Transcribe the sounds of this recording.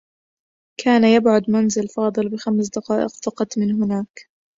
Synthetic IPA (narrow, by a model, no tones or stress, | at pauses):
kʰaːnajabʕʊd̪manzɪlfɑːd̪ˤɨlbɪxamsd̪ɑqɑːʔɪ̰qfɑqɑt̪mɪnɦʊnaːk